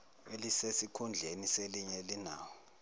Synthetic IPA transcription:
elisesikʰund͡ɮʱeniseliɲɛlina̰ːwɔ

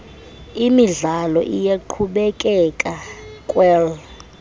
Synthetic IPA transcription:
imiɮalɔʔijaǃʰuɓɛkʼɛkʼakʼwɛl

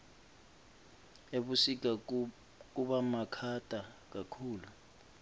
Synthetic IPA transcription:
eɓusik̬a | k̬ʼuɓamakʰatʼak̬ʼakʰuːlu

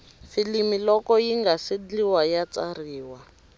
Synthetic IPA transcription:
filimilɔkɔjiŋɡasid͡ɮiwajat͡sariːwa

